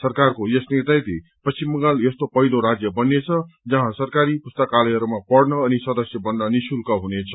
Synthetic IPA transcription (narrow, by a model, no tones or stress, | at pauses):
sʌrkarkojʌsnit̪ajt̪epʌst͡ʃimːʌɡaljʌst̪opʌjd̪oɾad͡zjʌbʌnːet͡sʰʌd͡zʌɦãsʌrkaɾipust̪ʌkalʌjɦʌɾumapʌɽnʌːnisʌd̪ʌsjʌbʌnːʌnisulkʌɦunet͡sʰʌ̥